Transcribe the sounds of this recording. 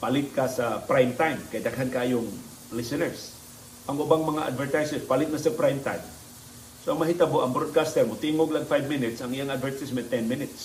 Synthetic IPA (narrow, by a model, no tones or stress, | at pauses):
palɪt̪̚kasapɾajmt̪ajmkɐjd̪ɐɡɦankaʔjʊŋ | lɪsɛnɛɹs | ʔɐŋʊbaŋmɐŋaʔa̰d̪vɛɹt̪ajsɛspalɪt̪̚nasɐpɾajmt̪a̰jm | soʔɐŋmɐɦit̪aboʔɐŋbɾod̪̚kast̪ɛɾmʊt̪iŋoɡlaɡfajbmɪnɪt̪sɐŋijaŋad̪vɛɹt̪ɪsmɛnt̪ɛnmɪnɪt̪s